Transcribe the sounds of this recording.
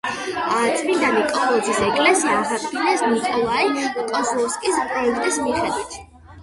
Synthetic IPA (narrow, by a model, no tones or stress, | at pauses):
t̪sʼmind̪anikʼɔlˠɔd̪zisɛkʼlɛsiazakinɛsnikʼɔlˠaikʼɔsuɔskʼisʼɾɔɛkʰt̪ʼismiχɛd̪wit̪ʰ